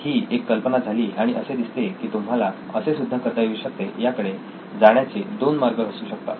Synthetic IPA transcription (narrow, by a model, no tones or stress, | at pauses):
hiːekːəlpənad͡zʱaliːʔaɽ̃iʔəsed̪ist̪ekiːt̪um̤ala | əsesud̪ʱːəkət̪aʋiːɕək̚t̪ejakəɽe | d͡zaɳjat͡sed̪onmaɾɡəɦəsuːɕək̚t̪a̰